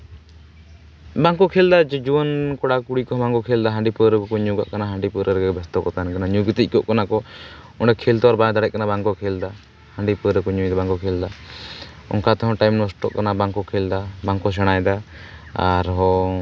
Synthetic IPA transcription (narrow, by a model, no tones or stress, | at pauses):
baŋkɔkʰeld̪ad͡ʒɛd͡ʒuwɔnkɔɽakuɽikɔɦɔ̃baŋkɔkʰeld̪aɦãɳɖipəɾəkɔkɔɲuɡa̰ʔkanaɦaɳɖipəɾəɾɡɛbɛst̪ɔkɔt̪ankanaɲuɡit̪ic̚ˀkɔʔkanakɔɔɳɖɛkʰelt̪ɔaɾbãd̪aɽɛʔ̚kanabaŋkɔkʰeld̪a | haɳɖipəɾəkɔɲũjd̪abaŋkɔkʰeld̪a | ɔ̰ŋkat̪ɔɦɔ̃ʈajmnɔsʈɔ̰ʔkanabaŋkɔkʰeld̪abaŋkɔs̬ɛɽ̃ajd̪a | aɾɦɔ̃